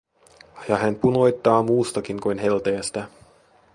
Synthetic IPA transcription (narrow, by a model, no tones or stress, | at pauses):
jɑɦænpuno̞jt̪ːɑːmuːst̪ɑkiŋkujnɦe̞lt̪eːst̪æ